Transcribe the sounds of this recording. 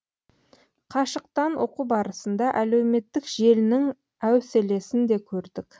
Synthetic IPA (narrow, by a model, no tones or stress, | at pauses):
qʰɑʃəq̚t̪ɑnwo̞̰qubɑɾəsənd̪ɑʔælewme̞t̪ːɪkʒ̥e̞lɪnɪŋ | æwsele̞sɪnd̪e̞kʲʰɵɾd̪ɪk